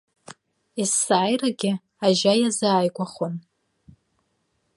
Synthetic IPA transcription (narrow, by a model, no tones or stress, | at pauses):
isaːjraɡʲɪ | aʒajazaːjkʷaχon